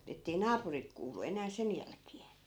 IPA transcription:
etːei nɑːpurit kuːlˑu enæː sen jælkeː

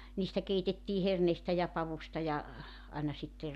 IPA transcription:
niːstæ keitetːiː herneistæ jɑ pɑʋustɑ jɑ ɑinɑ sitːe

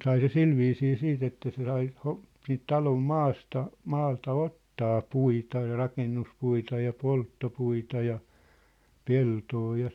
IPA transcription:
sɑi se silʋiːsiː siːt etːæ se sɑi ho siːnt tɑlom mɑːstɑ mɑːltɑ otːɑː puitɑ jɑ rɑkenːuspuitɑ jɑ poltːopuitɑ jɑ peltoː jɑ

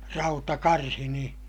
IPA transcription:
rɑutɑkɑrhi nĩː

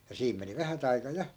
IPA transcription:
jɑ siːm meni ʋæhæt ɑikɑ jɑ

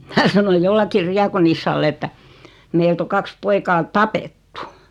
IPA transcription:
minæ sɑnoj jolːɑkːir riɑkonisːɑlː etːæ meilt o kɑks poikɑː tɑpetːu

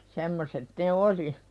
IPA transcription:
semːoset ne oli

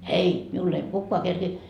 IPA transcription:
ei miulː ei kukːoɑ kerkiː

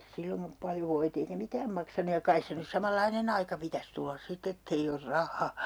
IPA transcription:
silːoŋkɑ pɑljo ʋoit eikæ mikæːm mɑksɑnuj jɑ kɑis se nys sɑmɑlːɑinen ɑikɑ pitæs tulːɑs sit etː ei or rɑhˑɑː

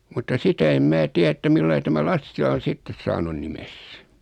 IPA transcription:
mutːɑ sitæ em mæː tiæ etːæ milːɑi tæmæ lɑsːilɑ on̞ sitːes sɑːnun nimes

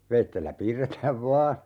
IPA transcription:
ʋeitːelːæ piːrːetæːʋ ʋɑː

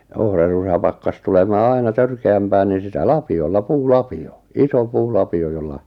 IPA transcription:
ohrɑrusɑ pɑkːɑs tulemɑː ɑinɑ tørkeæmpæː niːn̞ sitæ lɑpiolːɑ puːlɑpio iso puːlɑpio jolːɑ

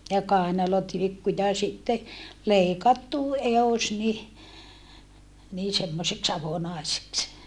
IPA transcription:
jɑ kɑˑenɑlotilikːu jɑ sitːe leˑikɑtːu eos ni niː semːoseks ɑʋonɑˑeseks

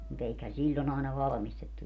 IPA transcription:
mut eikhæn̞ silʲːon ɑˑenɑ ʋɑlɑ̆mistetːu

